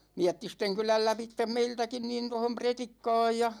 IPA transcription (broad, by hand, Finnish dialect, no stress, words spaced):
miætːisteŋkylæl læpitːem meiltækin nin tohom pretikːɑ̝ːj jɑ